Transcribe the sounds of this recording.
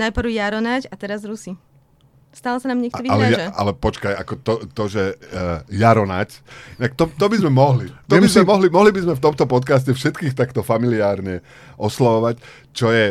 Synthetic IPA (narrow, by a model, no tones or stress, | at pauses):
najpr̩ʊjaɾɔnacat̪ɛɾazɾusi | st̪aːlɔsanaːmɲɛkt̪ɔialɛaa̰lɛpɔt͡ʃkaja̰kɔt̪ɔt̪ɔʒɛ | jaɾɔna̰cinakt̪ɔt̪ɔbizmɛmɔɦlit̪ɔbizmɛmɔɦlimɔɦlibizmɛft̪ɔmt̪ɔpɔt̪kas̬cɛfʃɛt̪kiːxt̪akt̪ɔfamiliaːɾɲɛ | ʔɔslaʋɔʋac | t͡ʃɔjɛ